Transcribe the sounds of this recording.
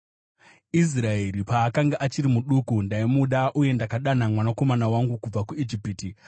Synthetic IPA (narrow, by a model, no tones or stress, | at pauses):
is̬raeɾipaːkaŋɡaʔat͡ʃiɾimuɗukundaimuɗaʔuje̞ndakaɗanamwanako̞manawaŋɡukub͡vakued͡ʒipiti